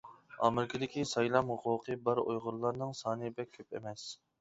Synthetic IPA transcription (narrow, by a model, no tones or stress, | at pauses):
ɑ̰mɪɾɪkʰəd̪ɪkʲisɑjlˠɑmhʊqʰʊːqʰɨbæɾojʁʊɾlˠɑɾnɨŋsɑːnɨbɛk̚ʲʰːøpḛmɛs